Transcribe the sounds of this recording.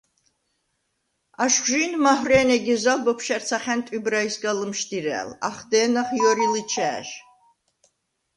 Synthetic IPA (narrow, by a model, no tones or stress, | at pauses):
aʃʒinmahreːneɡʲizalbɐpʰʃɐrt͡sʰaχʲæntʼibraisɡalɨmʃt̪ʰiɾæ̰ːla̰χd̪eːnɐχjoɾilɨt͡ʃʰæ̰ːʒ